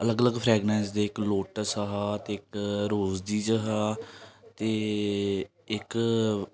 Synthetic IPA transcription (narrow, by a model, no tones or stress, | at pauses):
ələɡələɡpʰɾɛːɡnɛːnsd̪eːɪkloːʈəsəɦaːt̪eːɪkɾoːzd̪iːd͡ʒəɦaːt̪eː | ɪk